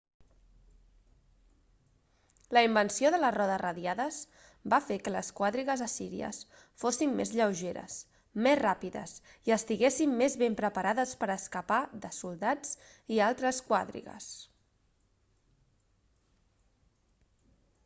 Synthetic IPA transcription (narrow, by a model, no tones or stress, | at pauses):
ləimbənsioðələrɔðərəðjaðəz | bafekələskwaðɾiɣəzəsiɾiə̰s | fosimːḛzʎəwʒeɾə̰s | mezrapiðə̰siəst̪iɣesimːezβempɾəpəɾaðəspəɾəskəpaðəsulˠd̪ad͡zialˠt̪ɾəskwa̰ðɾḭɣə̰s